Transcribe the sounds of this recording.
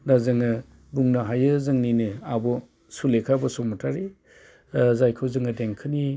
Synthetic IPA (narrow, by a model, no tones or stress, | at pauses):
dazɯŋɯ | buŋnaɦajɯzɯŋninɯabɔ | sulekʰabɔsɔmatʰaɾi | zajkʰɯwzɯŋɯdeŋkʰɯni